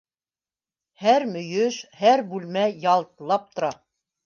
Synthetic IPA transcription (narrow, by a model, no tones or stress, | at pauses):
hæɾmɵ̆jɵʃhæɾbʉlmæjɑlˠt̪lˠɑp̚t̪ŏɾɑ